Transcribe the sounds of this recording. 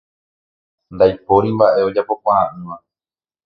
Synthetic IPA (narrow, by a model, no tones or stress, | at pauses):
nd̪ajpo̞ɾimbaʔe̞o̞d͡ʒapo̞kʷaɾãʔɨ̃ʋa